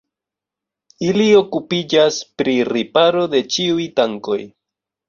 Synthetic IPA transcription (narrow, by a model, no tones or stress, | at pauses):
ilio̞kupid͡ʒaspɾiɾipaɾo̞d̪e̞t͡ʃiujtaŋko̞̰j